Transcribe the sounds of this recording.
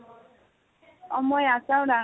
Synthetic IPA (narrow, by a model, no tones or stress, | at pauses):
ɔmɔjasãɾa